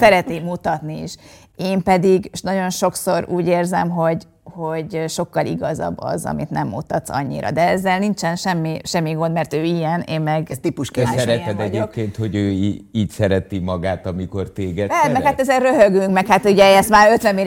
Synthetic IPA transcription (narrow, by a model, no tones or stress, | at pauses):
sɛɾɛt̪niːmut̪ɒt̪niḭʃ | eːmpɛd̪iɡnɒɟo̞nʃo̞kso̞ɾuːɟeːrzɛmɦo̞ɟ | ho̞ɟʃo̞kːɒliɡɒzɒ̰bːɒ̰zɒ̰mḭt̪nɛmːṵt̪ɒt̪sɒ̰ɲːḭɾɒ̰d̪ɛɛzːɛlnint͡ʃɛnʃɛmːiʃɛmːiɡo̞nd̪mɛrt̪øːijɛneːmːɛɡst̪ipuʃsɛɾɛt̪ɛd̪ɛɟeːp̚keːnt̪ho̞ɟøːiːcsɛɾɛt̪imɒɡaːt̪ɒmiko̞rt̪eːɡɛɛmɛkhat̪ɛzɛrrøɦøɡyŋkmɛkhat̪uɟɛɛst̪maːøt̪ʋɛmːeː